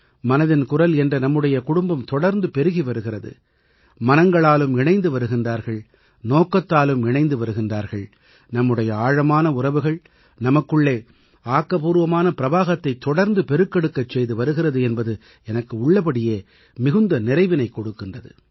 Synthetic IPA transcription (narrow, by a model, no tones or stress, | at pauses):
mɐnɐðɪnkʊrɐlɛndrɐnɐmːɯɽɐjɐkʊɽʊmbɐmt̪ɔɽɐɾnd̪ɯpɛɾɯɣiʋɐɾɯɣɪrɐðɯ̰ | mɐnɐŋɡɐɭaːlɯmɪɳɐɪnd̪ɯʋɐɾɯɣɪndraːɾɣɐɭ | noːkːɐt̪ːaːlɯmɪɳɐɪnd̪ɯʋɐɾɯɣɪndraːɾɣɐɭ | nɐmːɯɽɐjɐaːɻɐmaːnɐʊrɐʋɯɣɐɭ | nɐmɐkːɯɭːeː | aːkːɐpuːɾʋɐmaːnɐpɪɾɐʋaːɣɐt̪ːɐɪt̪ːɔɽɐɾnd̪ɯpɛɾɯkːɐɽɯkːɐt͡ʃːɛjðɯʋɐɾɯɣɪrɐðɯɛnbɐðɯ | ɛnɐkːɯʊɭːɐpɐɽɪjeː | mɪɣɯnd̪ɐnɪrɐɪʋɪnɐɪkːɔɽɯkːɪndrɐðɯ̰